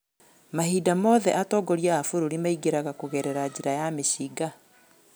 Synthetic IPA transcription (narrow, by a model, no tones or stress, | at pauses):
mahiːdamɔːðɛʔatɔːɡɔɾiaːfuɾoɾimaiɡeɾaɣakoɣɛɾɛɾad͡ʑiɾajameɕiːɡa